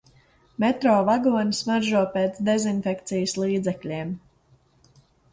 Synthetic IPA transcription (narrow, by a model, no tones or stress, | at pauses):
mɛt̪ɾɔːvaɡuɔnʲismaɾʒuɔpeːt̪sd̪ɛzinfɛkt̪sijəslˠiːd̪zɛklʲeːm